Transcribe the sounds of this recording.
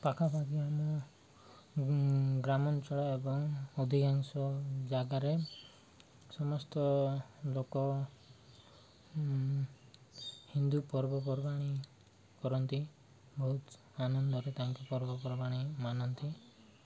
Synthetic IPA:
pakʰabʱaɡiamɔ | ɡɾamɔnt͡ʃɔɽaebɔŋod̪ʱiɡaŋsɔd͡ʒaɡaɾe | sɔmɔst̪ɔlokɔ | hind̪upɔɾbɔp̬ɔɾbaɽ̃i | kɔɾɔnt̪i | bɔɦut̪ | anɔnd̪ɔɾet̪aŋkipɔɾbɔpɔɾbaɽ̃imanɔnt̪i

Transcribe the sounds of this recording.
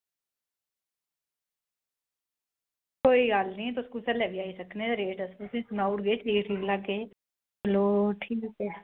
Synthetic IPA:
koːiːɡalnĩːɛt̪ʊskusɛːlɛːʋiːaːisəkneːd̪eɾeːʈəsʊsĩːsʊnaːʊʈɡeːʈiːʈʰiːklaɡeː | bəloːʈʰiːkoke

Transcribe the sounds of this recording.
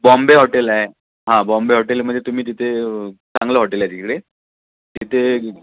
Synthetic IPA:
bɔ̃mbeɦɔʈelaɦe | ɦãbɔmbeɦɔʈelməet̪um̤iːt̪it̪ʰet͡sãŋɡləɦɔʈeljad͡ʑikkɽe | t̪it̪ʰe

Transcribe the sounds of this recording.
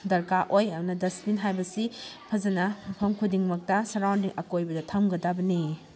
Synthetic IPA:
dɐɾkaʔojɐmnɐdɐsminɦajbɐsipʰɐzɐnɐmɐpʰɐmkʰudiŋmɐk̚tɐsɐɾawndiŋʔɐkojbɐdɐtʰɐmɡɐdabɐni

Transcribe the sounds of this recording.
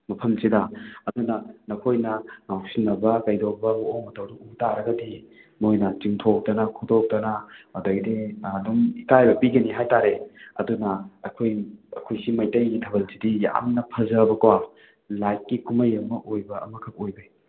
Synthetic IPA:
mɐpʰɐmsidɐɐdunɐnɐkʰojnɐmawsinːɐbɐkɐjdobɐuoŋmɐtɐwduutaɾɐɡɐdi | mojnɐt͡ʃiŋtʰok̚tɐnɐkʰudok̚tɐnɐmɐdojdeduŋikajbɐpiɡɐniɦajtaɾeɐ̰dunɐɐkʰojɐkʰojsimɐjtɐjitʰɐbɐlsidija̰mnɐpʰɐzɐbɐkwa | lajt̚kikumɐjɐmɐʔojbɐɐ̰mɐkʰɐk̚ojbɐj

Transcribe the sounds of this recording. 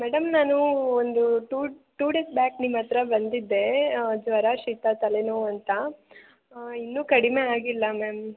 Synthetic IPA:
mɛɽɐmnaːnuond̪uʈuːʈuːɖeːsbaːknimːɐt̪ɾɐbɐnd̪id̪ːe̞d͡ʒʋɐɾaːʃiːt̪at̪ɐlenuɐnt̪ɐ | inːuːkɐɽime̞aːɡilːɐmeːm

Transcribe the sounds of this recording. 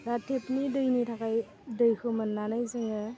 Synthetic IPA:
ɾatʰepnidɯjnitʰakaj | dɯjkʰɯmɐnːanajzɯŋɯ

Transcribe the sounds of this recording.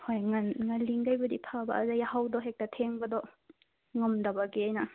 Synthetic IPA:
hojŋɐnŋɐlːiŋɡajbɐdipʰabɐ̰ːzajahawdɔɦek̚tɐtʰeŋbɐdɔ | ŋɐmdɐbaɡiajnɐ

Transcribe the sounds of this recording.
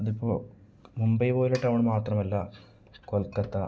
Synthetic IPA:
ɐðipːo̰ː | mumbɐjpo̞ːleʈːɐʋɐɳɨmaːt̪rɐmɐlːɐ | kolkːɐt̪ːɐ

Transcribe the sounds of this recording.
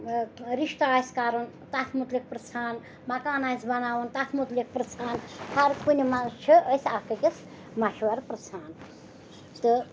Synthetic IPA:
ɾiʃt̪aːjskaɾɐn | t̪at̪ʰmut̪lʲik̚pɾɨt͡sʰaːn | mɐkaːnajzbɐnaːʋɐnt̪at̪ʰmut̪lik̚pɾɨsʰaːnhʰaɾkunʲimat͡ʃʰɨəsʲakɨkis | mɐʃʋɐɾpɾɨsʰaːn | t̪ɨ

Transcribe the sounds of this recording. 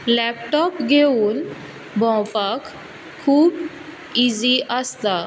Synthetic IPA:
lɛpʈɔpɡʱeuːn | bʱɔ̃wfakʰː | uːb | id͡ziʔəst̪a

